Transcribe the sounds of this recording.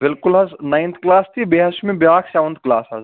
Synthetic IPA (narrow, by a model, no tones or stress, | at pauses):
bɪlkulɦɐznaj̃nt̪ʰklaːst̪ibeɦɐsmẽbjaːkʰseʋɐnt̪̚ʰklaːsɦɐz